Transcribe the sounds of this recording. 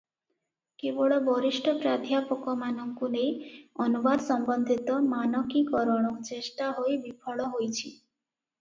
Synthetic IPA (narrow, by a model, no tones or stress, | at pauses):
keboɭɔbɔɾiʃʈʰɔpɾad̪ʱjapɔkɔmanɔŋkulejɔnubad̪sɔmbɔnd̪ʱit̪ɔmanɔkikɔɾɔɽ̃ɔkt͡ʃesʈaɦojbipʰɔɭɔɦojt͡ʃʰi